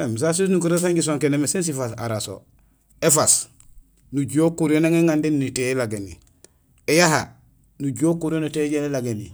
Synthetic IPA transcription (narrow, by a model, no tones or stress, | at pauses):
ems̬as̬is̬nukuɾes̬aŋɡis̬oŋkenemesens̬ifasa̰ɾaso̰ | efas | nuɟuokuɾonaŋeŋandennitelaɡenḭ | ejaɦa | nuɟokuɾionuteɟelelaɡeni